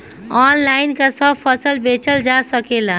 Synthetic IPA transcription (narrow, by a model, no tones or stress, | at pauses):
ɔːnlaɪnkasəbpʰəsəlbet͡ʃəld͡ʒasəkela